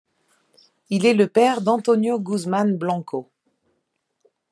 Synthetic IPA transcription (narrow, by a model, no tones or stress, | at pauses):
ilɛləpɛʁd̪ɑ̃t̪ɔnjoɡuzmanblɑ̃kʰo